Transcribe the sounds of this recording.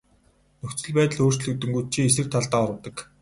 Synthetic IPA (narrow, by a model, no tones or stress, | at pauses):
nɵxt͡sɵ̆ɮpæːt̪ə̆ɮoːr̥t͡ɕɮɵ̆k̚t̪ɵ̆ŋɡuj̚t͡ɕʰiːes̬ɘ̆r̚t̪ʰaɮt̪aːɔɾə̆wt̪ə̆k